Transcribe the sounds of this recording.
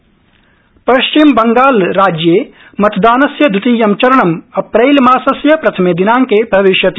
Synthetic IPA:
pɐʃt͡ʃimbɐŋɡaːlɾaːd͡ʒjeː | mɐt̪ʰd̪aːnɐsjɐd̪ʱut̪ijɐmt͡ʃɐɾɐɳɐmɐpɾeɪlmaːsɐsjɐpɾɐt̪ʰɐmed̪inãːŋkebʱɐʋiʃjɐt̪i

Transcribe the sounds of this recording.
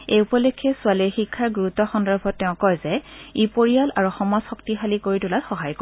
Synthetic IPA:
eupɔlekʰːɛsʊaliɹxikʰːaɹɡuɹutɔxɔndɔɹbʱɔtːɛʊ̃kɔjzɛipoɹijalaɹuxɔmɔsxɔk̚tixalikoɹitulatxɔɦajko

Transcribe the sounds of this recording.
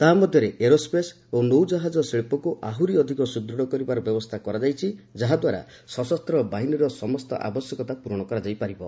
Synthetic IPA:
t̪aɦamɔd̪ʱjɔɾeʔeɾospes | onowd͡ʒaɦad͡ʒɔseɭpɔkuʔaɦuɾiɔd̪ʱikɔsud̪ɾɔɽɔkɔɾibaɾɔbjɔbɔst̪ʰakɔɾad͡ʒajt͡ʃʰid͡ʒaɦad̪waɾa̰ | sɔsɔst̪ɾɔbaɦinɔɾɔsɔmɔst̪ɔ̰ʔa̰bɔsjɔkɔt̪apuɾɔɽ̃ɔkɔɾad͡ʒajpaɾibɔ

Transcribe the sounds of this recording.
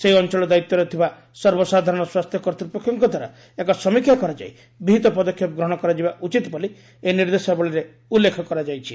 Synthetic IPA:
seɦiɔnt͡ʃɔɭɔd̪ait̪ːɔɾet̪ʰiba | sɔɾbɔsad̪ʱaɾɔɽ̃ɔswast̪ʰjɔkɔɾt̪ɾipɔkʰːjɔŋkɔd̪ʱwaɾa̰ | ekɔsɔmikʰːjakɔɾad͡ʒa̰j | biɦit̪ɔpɔd̪ɔkʰːjɔp̚ɡɾɔɦɔ̃ɽ̃ɔkɔɾad͡ʒibaʔut͡ʃit̪bɔli | eniɾd̪esebɔɭiɾe | ulːekʰɔkɔɾad͡ʒajt͡ʃʰi

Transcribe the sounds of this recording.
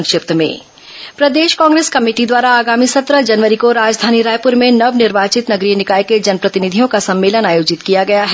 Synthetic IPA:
ŋkʃɪp̚t̪mḛ̃ː | pɾɐd̪eːʃkãːŋɡɾeːskɐmeːʈid̪waːɾaaːɡaːmisɐt̪ɾəd͡ʒɐnʋəɾikoɾaːd͡ʒd̪ʱaːniɾaːjpʊɾmẽnɐʋnɪɾʋaːt͡ʃɪt̪nɐɡɾijənɪkaːjked͡ʒɐnpɾɐt̪ɪnɪd̪ʱijõkasɐ̃mːeːlənaːjoːd͡ʒɪt̪kijaɡɐjaɦɛ

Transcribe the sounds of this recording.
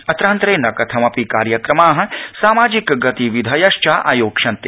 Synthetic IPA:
ɐt̪ɾaːnt̪ɾeːnɐkɐt̪ʰɐmɐpikaːɾjɐkɾɐmaːɦɐ̆saːmaːd͡ʒikɡɐt̪iʋid̪ʱɐjɐʃt͡ʃaːʔa̰ːjoːkʂɐnt̪e

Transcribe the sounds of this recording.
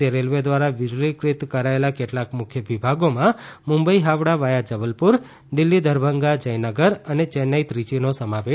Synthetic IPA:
eɾelʋed̪ʋaɾaʋɪd͡ʒlikɾit̪kəɾaelakeʈlakmʊkʰjəʋibʱaɡomãmʊ̃mbəiɦaʋɽaʋajad͡ʒəʋəlpuɾ | d̪ɪlːid̪ʱəɾbʱəŋɡad͡ʒəjnəɡəɾənet͡ʃɛnajt̪ɾit͡ʃinosəmaʋe

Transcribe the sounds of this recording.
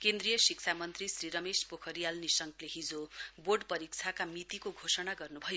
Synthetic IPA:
kend̪rijʌsik̚t͡sʰamʌnt̪risriɾʌmespokʰʌɾijalnisʌŋkleɦid͡zoboɖpʌɾik̚t͡sʰakamit̪ikoɡʱosʌnaɡʌrnubʱʌjo

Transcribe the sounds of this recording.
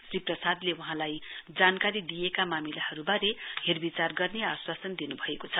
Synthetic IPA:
sriprʌsad̪lewuɦãlajd͡zankaɾid̪ijekamamilahʌɾubaɾeherbit͡sarɡʌrneaswasʌnd̪inubʱʌekot͡sʰʌ

